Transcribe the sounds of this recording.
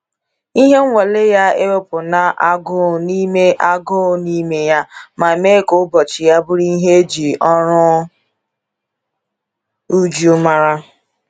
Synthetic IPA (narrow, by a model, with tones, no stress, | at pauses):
i˦ɦe˦ŋʷ˦e˨le˦ja˦e˦we˦pʊ˨na˨ʔa˦ɡʊ˦˨ni˦me˦ʔa˦ɡʊ˦˨ni˦me˦ja˦ma˨me˦˨ko˦bɔ˨t͡ʃɪ˨ja˦bʊ˦ɾi˦ɦe˦d͡ʒi˨ɔ˦ɾʊ˦ | u˦d͡ʒo˦ma˦ɾa˦